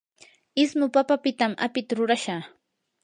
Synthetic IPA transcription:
ɪsmʊpapapɪt̪amʔa̰pɪt̪aɾʊɾaʃa

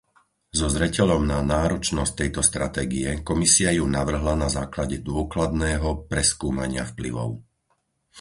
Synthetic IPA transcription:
zɔzɾɛcɛʎɔmnanaːɾɔt͡ʃnɔsc̚t̪ɛjt̪ɔst̪ɾat̪ɛːɡiɛkɔmisiajunaʋr̩ɦlanazaːklaɟɛd̪ʊɔklad̪nɛːɦɔpɾɛskuːmaɲɪa̰fplḭʋɔ̰ʊ

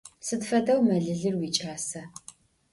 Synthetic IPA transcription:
sɨtfɐdɐwmɐɮɨɮɨrwiːt͡ʃʼaːsɐ

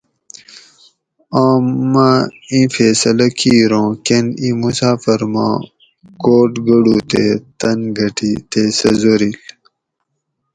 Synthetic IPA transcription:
aːmːaĩːfeːsɐlɐkʰiːɾõːkenĩmusaːfɐɾmã̰ː | koːʈɡɐɽuːt̪ḛt̪ɐnɡʱɐʈit̪eːsɐzoɾil

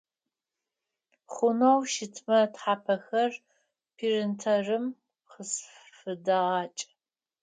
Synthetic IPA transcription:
χʷʊnowʃɪtʰmɐtħaːpʰɐxɐr | pʰiːrɨntʰɐrɨm | χəs | fɨdɐʁɑːt͡ʃʼ

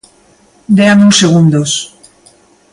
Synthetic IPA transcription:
d̪eamũŋseɣ̞und̪os

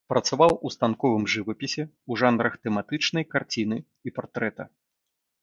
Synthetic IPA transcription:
pɾɐt̪savawust̪ankɔvɨmʐɨvɐpʲisʲɛ | uʐanɾɐxt̪ɛmat̪ɨt͡ʂn̪ɐjkart͡sʲin̪ɨ | ipart̪ɾɛt̪ɐ̰

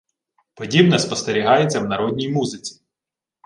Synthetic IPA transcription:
pɔdʲibnɛspɔst̪eɾʲiɦɑjet͡sʲːɐwnɐɾɔdʲnʲijmuzɪt͡sʲi̥

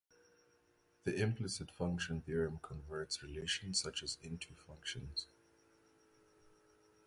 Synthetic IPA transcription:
ðiʔɪ̃mpʰlɪsɪtfʌ̃ŋkʃə̃nθiɹə̃mkʰɔ̃nvɜ˞tsɹileʃə̃nssat͡ʃəzɪ̃ntʰufʌ̃ŋkʃə̃nz̥

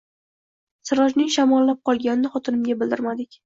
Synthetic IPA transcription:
sɪɾɒd͡ʒnɪŋʃamɒlːap̚qʰɒlˠɡʲanɪnɪχɒt̪ʰɪnɪmɡʲabɪlˠd̪ɪɾmad̪ɪkʲ

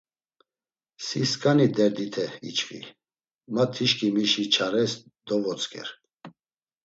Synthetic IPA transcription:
siskʼanid̪ɛɾd̪it̪ʰɛḭt͡ʃχḭ | mat̪ʰːiʃkʰʼimiʃit͡ʃʰaɾɛs | d̪ɔvɔt͡sʼkʰʼɛ̰ɾ

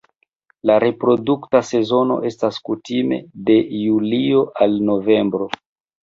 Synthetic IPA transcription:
laɾe̞pɾo̞duktase̞zo̞no̞̰ʔe̞staskutime̞̰de̞julio̞ʔalno̞ve̞mbɾo̞

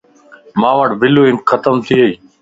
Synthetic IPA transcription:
mãːʋəʈbɪloːɪ̃nxət̪əmt̪ʰiːɦəiː

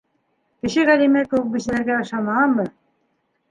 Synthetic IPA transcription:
kɘ̆ʃɘʁælimækɘ̆wɘk̚bɘ̆sɘ̆læɾɡæɑʃɑmɑɑmmɤ

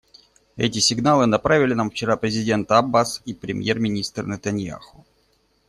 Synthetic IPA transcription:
ɛ̰tʲɪsʲɪɡnalˠɨnɐpɾavʲɪlʲɪnamft͡ɕɪɾapɾʲɪzʲɪdʲe̞nt̪əɐbːasipɾʲɪmʲjermʲɪnʲist̪ɾənət̪ɐnʲja̰xʊ

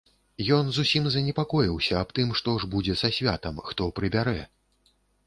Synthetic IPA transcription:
jɔnzusʲimzɐnʲɛpakɔjiwsʲɐːpt̪ɨmʂt̪ɔʐbud͡zʲɛsasʲvʲa̰t̪ɐmxt̪ɔpɾɨbʲaɾɛ

